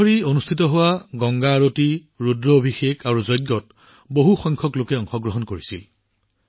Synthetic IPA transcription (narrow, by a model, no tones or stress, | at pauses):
ɔɹionustʰitɔɦʊwaɡɔŋɡaɹoti | ɹudɹɔːbʱixekʰaɹuzɔjd̚ɡɔt | boɦuxɔjŋkʰɔklokɛɔŋxɔɡɹɔɦɔnkoɹisil